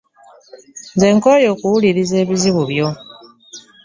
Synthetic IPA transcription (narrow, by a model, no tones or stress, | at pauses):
nze̞ːŋko̞jo̞ːkuwuliɾize̞ːβiziβuβjo̞